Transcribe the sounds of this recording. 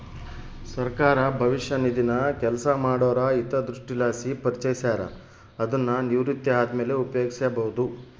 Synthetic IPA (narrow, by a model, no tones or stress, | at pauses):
sɐɾkaːɾɐbʱɐʋiʂjɐnid̪inɐkɛlsɐmaːɽɔːɾɐit̪ɐd̪ɾuʂʈilaːsipɐɾit͡ʃɐjisaːɾɐ̰ | ɐd̪ɐnːɐniʋɾit̪jɐaːd̪meːleupjeːɡsjbɐɦud̪u